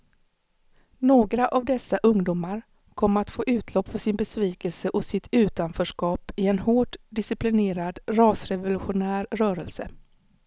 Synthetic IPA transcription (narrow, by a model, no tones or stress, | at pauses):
noːɡɾaʔavd̪ɛsːaʔɵŋd̪uːmaɾ | kʰɔmːɾat̪foːʔʉ̟ːt̪ʰlɔpːfɔsɪnbɛsviːkɛlsəʔɔsɪt̪ʰʉ̟ːt̪anfœːʂkɑːpɪɛnhoːʈd̪ɪsɪplɪneːɾad̪ɾɑːsɾɛvʊlɵɧʊnæːɾɾœːɾəlsə̰